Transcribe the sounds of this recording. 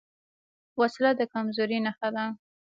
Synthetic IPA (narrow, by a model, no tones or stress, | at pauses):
waslad̪əkamzoɾinaxad̪a